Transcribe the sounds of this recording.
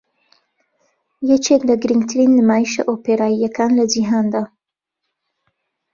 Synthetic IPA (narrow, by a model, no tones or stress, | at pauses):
jɛt͡ʃʰeːklɐɡɨɾiŋɡt̪ʰɨɾinːɨmaːjiʃɐ̰ʔopeɾaːijɐkʰaːnlɐd͡ʒiɦaːnd̪a